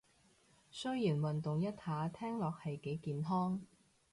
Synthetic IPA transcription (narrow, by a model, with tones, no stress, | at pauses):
sɵ˥ɥjiː˨˩nwɐ˨nt̪ʊ˨ŋjɐ˥t̚haː˨˥t̪ʰɛː˥ŋlɔː˨k̚hɐ˨jke˨˥jkiː˨nɦɔː˥ŋ